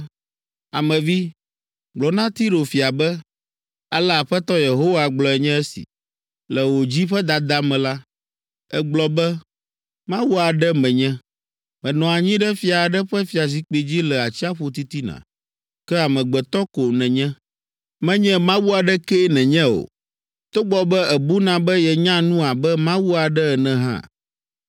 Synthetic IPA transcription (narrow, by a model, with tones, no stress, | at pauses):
a˨mɛ̃˨vi˦ | ɡ͡blɔ˨nã˦t̪i˦ɾo˨fi˨a˨bɛ˦ | a˦lɛ˦a˨ɸɛ˦t̪ɔ˦je˨ɦo˦wa˨ɡ͡blɔ˨ɛ˨ɲɛ̃˦ɛ˦sḭ˨ | lɛ˨wo˨d͡ʑi˦ɸɛ˦d̪a˨d̪a˦mɛ̃˨la˦ | ɛ˦ɡ͡blɔ˨bɛ˦ | mã˦wu˦a˨ɖɛ˦mɛ̃˨ɲɛ̃˦ | mɛ̃˨nɔ̃˨a˨ɲĩ˦ɖɛ˦fi˦a˨ɖɛ˦ɸɛ˦fi˨a˨zi˦k͡pe˨d͡ʑi˦lɛ˨a˨t͡ɕi˦a˦ɸo˦t̪i˦t̪i˦nã̰˨ | kɛ˦a˨mɛ̃˨ɡ͡bɛ˨t̪ɔ˦ko˨nɛ̃˨ɲɛ̃˦ | mɛ̃˦ɲɛ̃˦mã˦wu˦a˨ɖɛ˦kɛ˦nɛ̃˨ɲɛ̃˦o̰˨ | t̪o˦ɡ͡bɔ˨bɛ˦ɛ˨bu˦nã˨bɛ˦jɛ˨ɲã˦nũ˦a˨bɛ˦mã˦wu˦a˨ɖɛ˦ɛ˨nɛ̃˨ɦã̰˦˨